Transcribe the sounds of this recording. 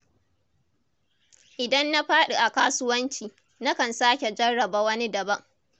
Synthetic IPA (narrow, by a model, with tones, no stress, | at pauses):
ʔɪ˨dɐ˦nːa˦ɸaː˦ɗu˨ʔa˨kaː˦sʊ˦wɐ˦nt͡ʃiː˨ | na˦kɐ˨nsaː˦kʲe˨d͡ʒɐ˦ɽːɐ˨baː˦wɐ˦ni˦dɐ˨bɐ˦ŋ